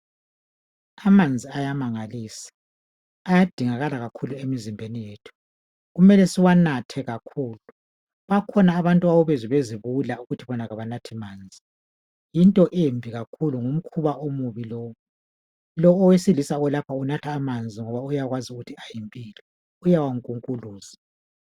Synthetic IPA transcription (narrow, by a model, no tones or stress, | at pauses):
amand͡zʱiajamaŋaliːsḁː | jad̥ʱiŋaɣalaɣakʰuluemizimbʱenijeːtʰu̥ | ɣumɛlɛsiwanatʰɛɣakʰuːlu | βakʰɔnaːβantʼuawuβɛziβeziβulauɣutʰiβɔnaɣaβanatʰimaːnd͡zʱi | jintʼɔʔembʱiɣakʰuluŋum̩kʰuβaʔomuβilɔːw | lɔːwesilisaɣɔlapʰaunatʰaːmand͡zʱiŋɔβaujaɣwaziuɣutʰiajimpʼiːlɛ | ujawaŋkʼuŋkʼuluːz̥a